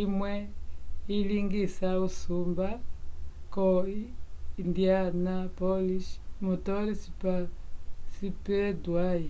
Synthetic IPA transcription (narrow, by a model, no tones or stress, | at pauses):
imwɛiliŋɡisausumba | kɔindianapɔliʃmutɔlisipasipɛdwaji